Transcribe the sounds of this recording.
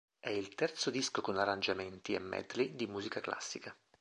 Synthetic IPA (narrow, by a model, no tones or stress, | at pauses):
ɛilt̪ɛrt̪sod̪iskokonarːand͡ʒament̪iḛmːɛ̰d̪lid̪imuːzikaklʔa̰sːika